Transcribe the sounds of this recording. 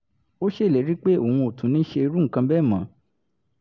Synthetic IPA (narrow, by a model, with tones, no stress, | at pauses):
o˦ʃe˦˨le˨˦ɾi˦k͡pe˦o˨wũ˧o˨tũ˨˦nĩ˨˦ʃe˧i˧ɾu˦ŋ̩˨kã˧bɛ˦˨mã˨˦